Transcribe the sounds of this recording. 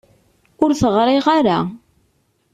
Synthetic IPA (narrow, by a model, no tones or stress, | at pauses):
ʊɾθəʁɾˤɪʁaɾa